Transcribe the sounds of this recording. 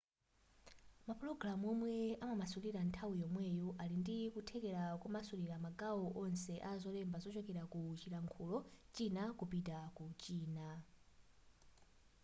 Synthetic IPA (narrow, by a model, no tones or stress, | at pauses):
mapɾɔɡɾamɔmwɛamamasuliɾantʰawijɔmwɛjɔʔalindikutʰɛkɛɾakumasuɾiɾamaɡaɔʔɔnsɛʔazɔlɛmbazɔt͡ʃɔkɛɾakut͡ʃiɾaŋkʰulɔt͡ʃinakupitakut͡ʃiːna